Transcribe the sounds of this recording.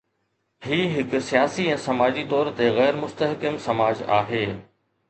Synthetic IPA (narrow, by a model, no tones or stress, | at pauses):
hiːɦɪkʊ̆sijaːsiɛ̃ːsɐmaːd͡ʑit̪ɔːɾt̪eɣɛːɾmʊst̪əɦkɪmsɐmaːd͡ʑa̰ːɦeː